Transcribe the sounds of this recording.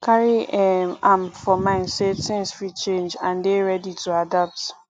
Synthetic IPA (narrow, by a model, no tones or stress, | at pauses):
kʰaɹiɛmãmfɔmãɪ̃nsetʰɛ̃ŋsfit͡ʃẽnd͡ʒãndeɹɛditʰuadap̚t